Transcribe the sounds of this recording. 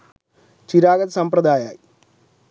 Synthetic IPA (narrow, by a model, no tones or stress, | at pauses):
t͡ɕiɾaːɡɐd̪sɐmprɐd̪aːja̰ːji